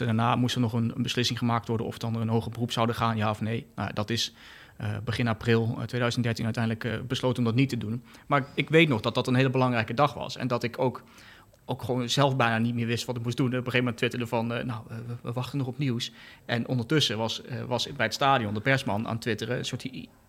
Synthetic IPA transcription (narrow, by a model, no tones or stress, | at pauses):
daːɹnaːmustənɔχənənbəslɪsɪŋχəmaːk̚tʋɔɹdə̰nɔ̰fətɑndərənɦowχəbərupsawdəχaːnjaːɔfnejna̰wja̰dɑtɪs | bəχɪnaːprɪlˠtʋeːjdœɥzəntdɛɹtinœɥtɛjndələkbəslowtənɔmdɑtnitədunmaːɪkʋejtnɔχd̥ɑt̚d̥ɑtənɦeːlˠəbəlɑŋrɛjkədɑχʋɑ̰sɛ̰ndɑtɪkʰowk | ʔowkχəʋonz̥ɛlˠfbɛjnaːnitmɪːɹʋɪstʋɑtɪkmusdunɛnɔpəχeːvəmɛntʋɪtəɹdəvɑnnawəʋəʋɑχtənɔχɔpniwsʔɛnʔɔ̰ndəɹtɵsəʋɑsʋɑsbɛjətstaːdijɔndəpɛɹsmɑna̰ːntʋɪtərəə̰nsʊːt